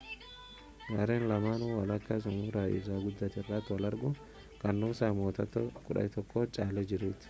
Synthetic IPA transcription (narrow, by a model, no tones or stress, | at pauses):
ɡɐɾeːnlɐmaːnuːwɐlɐkːɐs̬ʊmuːɾaːʔɪ̰saːɡʊd̪ːaːt̪ɪrːaːt̪ːwɐlɐɾɡʊ | kɐnːʊːsaːmoːt̪ɐt̪ːokʼʊᶑɐ̰jt̪ɔkːoːt͡ʃʼaːlɛd͡ʒɪɾuːt̪ɪ̥